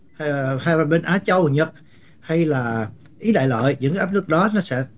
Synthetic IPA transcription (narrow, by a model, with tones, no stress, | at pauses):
haː˧ja˨˩ɓe˧nʔaː˨˦t͡ɕə˧wɲə˨˩t̚ | ha˧jlaː˨˩ | ʔi˨˦ɗa̰ː˧˨jlə̰ː˧˨jɲɨ̰˧˥ŋʔaː˦˥p̚nɨ˦˥k̚ɗɔ˨˦nɔ˨˦sɛ̰˧˥